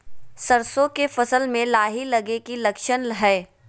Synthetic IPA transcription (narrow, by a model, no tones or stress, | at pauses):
sɐɾsõkefɐsəlmẽlaːɦilɐɡekilɐkʃənɦɛː